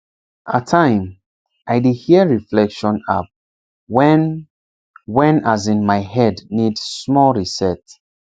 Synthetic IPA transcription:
ʔatʰːãɪ̃m | ʔaɪdihiəɹiflɛkʃɔ̃nap̚ | wɛn | wɛ̃nazĩnmaɪhɛdnidsmɔlɹisɛt

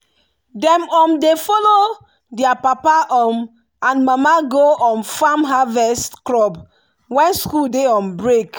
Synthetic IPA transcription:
dɛ̃mɔ̃mdefɔlo | diapapaʔɔm | ãnmamaɡoɔ̃nfãmɦavɛstklɔb | wɛ̃nskuldeɔ̃mbɹek

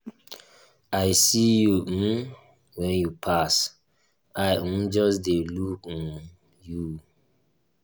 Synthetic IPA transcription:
aɪsiju | wɛ̃njupʰas | aɪmd͡ʒɔsdelukɔn | ju

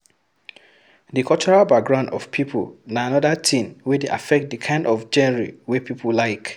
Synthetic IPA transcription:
dikʰɔt͡ʃɔɹalbak̚ɡɹãʊ̃ndɔ̰v̥pʰipʰo̰lnaanɔdatʰĩnwedeʔa̰fɛk̚t̚dɨkʰãɪ̃ndɔfd͡ʒɛnɛɹiwepʰipʰolaɪk

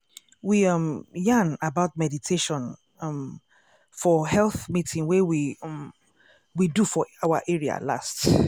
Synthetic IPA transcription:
wiʌ̃mjãnabaʊt̚mɛditʰeʃɔ̃n | ʌm | fɔhɛlθmitʰĩŋwɛwĩm | widufɔaʊa̰ʔɛɹia̰la̰st

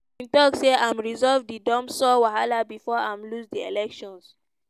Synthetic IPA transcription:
ĩntɔkseʔãmɹizɔvdidɔ̃msɔwaɦalabifɔãmlusdielɛkʃɔ̃ns

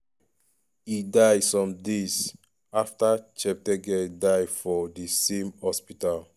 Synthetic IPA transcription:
idajsɔ̃mdez | aftat͡ʃɛp̚tɛɡɛdajfɔdisẽmhɔspital

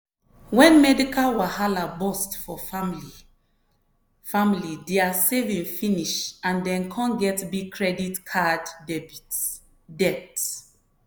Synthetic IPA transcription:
wɛ̃nmɛdikalwahalabɔstfɔamli | familideasevĩŋfĩniʃãndɛ̃nkʰɔ̃nɡɛtbiɡ̚kʰɹɛditkʰaddɛbit | dɛt

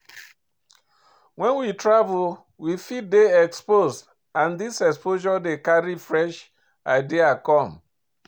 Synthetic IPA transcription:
wɛ̃nwitɾavʊl | wifit̚deɛkspozd | ãndisɛkspoʒɔdekaɾifɹɛʃ | aɪdiakɔ̃m

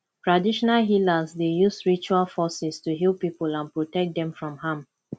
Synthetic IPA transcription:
tɹadiʃɔnalɦilazdejusɹit͡ʃualfɔsɪstuɦilˠpipulãnpɹotɛk̚d̪ɛ̃mfɹɔ̃mhãm

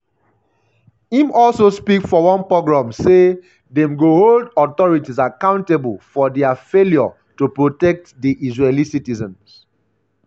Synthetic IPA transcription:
hĩmɔlsospikfɔwɔ̃npɹoɡɹãmse | dɛ̃mɡoholdɔtɔɹitizakãʊ̃ntebəlfɔdɛafeljɔ | tupɹotɛk̚tdiʔizɹelisitizɔ̃ns

